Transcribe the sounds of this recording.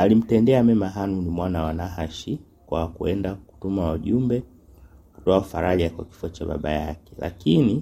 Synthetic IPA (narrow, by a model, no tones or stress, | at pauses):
alim̩tɛndɛamɛmaɦanunimwanawanaɦaʃi | kwakuɛndaku̥tumawaʄumbɛ | ku̥tɔaufaɾaʄakwa̰ki̥fuat͡ʃaɓa̰ɓa̰jakɛ̥la̰kini